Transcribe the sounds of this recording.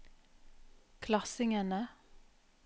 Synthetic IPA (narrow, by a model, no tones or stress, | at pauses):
kʰlɑsɪŋənə